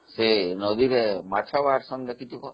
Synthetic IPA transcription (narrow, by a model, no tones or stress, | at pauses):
senɔd̪iɾemat͡ʃʰabaɦaɾsɔnd̪akit̪ʰukɔ